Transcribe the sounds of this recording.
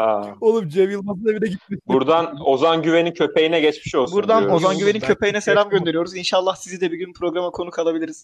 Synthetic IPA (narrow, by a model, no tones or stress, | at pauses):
aolˠupd͡ʒevjɯlˠmazɯd̪ebinʲɛɟit̪̚miʃbuɾd̪anozanɟyve̞nincʰø̞pejinɛɟɛt͡ʃmiʃolˠbuɾd̪ano̞zanɟyveincʰø̞pe̞jinɛselʲamɟø̞nd̪e̞ɾijo̞ɾuzinʃaːlˠːaxsizid̪ɛbiɟynpʰɾo̞ɡɾamakʰo̞nukʰalˠabilʲiɾiz̥